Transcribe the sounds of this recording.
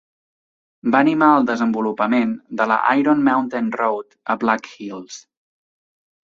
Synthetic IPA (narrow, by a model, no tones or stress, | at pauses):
baːnimaəlˠd̪əzəmbulupəmend̪ələ̰ʔa̰jɾonmawnt̪enrowt̪əblakxilˠs